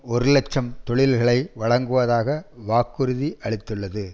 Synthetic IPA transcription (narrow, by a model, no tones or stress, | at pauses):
ɔɾɯlɛt͡ʃːɐmt̪ɔɭɪlɣɐɭɐɪʋɐɭɐŋɡɯʋɐðaːɣɐʋaːkːɯɾɯðiʔɐɭɪt̪ːɯɭːɐðɯ